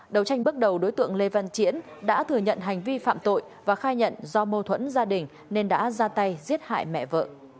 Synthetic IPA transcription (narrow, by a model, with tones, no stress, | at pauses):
ɗə˨˩wt͡ɕa˧jŋ̟ɓɨ˦˥ək̚ɗə˨˩wɗo˨˦jt̪ɨ̰˧˨əŋle˧va˧˨nt͡ɕḭ˧˥ənɗa̰ː˧˥t̪ʰɨ˨˩əɲə̰˧˨nɦa˨˩jŋ̟vi˧fa̰ː˧˨mt̪o̰˧˨j | vaː˨˩xaː˧jɲə̰˧˨nzɔ˧mo˧t̪ʰwə̰˧˥nzaː˧ɗï˨˩ŋ̟ | ne˧nɗa̰ː˧˥zaː˧t̪a˧jzi˦˥ət̚ha̰ː˧˨jmɛ̰˧˨və̰ː˧˨˩t̚